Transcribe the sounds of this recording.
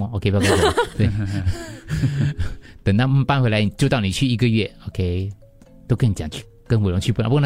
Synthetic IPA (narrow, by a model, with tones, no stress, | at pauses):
o˧kʰe˥˧jkt̪we˥˩ | t̪ə˨˩ŋt̪a˥˧m̩˥˧pa˥˧nxwe˧˥la˧˦ɪni˨˩t͡ɕjo˥˧ʊt̪ɑ˥˩ʊni˨˩t͡ɕʰy˥˩i˧˥ɡə˧ɥɛ˥˩o˨˩kʰe˦˥ɪ | t̪o˥ʊkʰə˧˥ni˨˩t͡ɕja˨˩t͡ɕʰy˥˩ | kə˥nwlo˧˥ŋt͡ɕʰy˥˧pu˥˩n̰˨˥p